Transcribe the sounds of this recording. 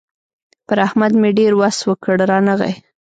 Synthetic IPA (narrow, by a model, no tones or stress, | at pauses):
pəɾahmad̪meɖeɾwaswəkəɽɾɑnəɣa̰j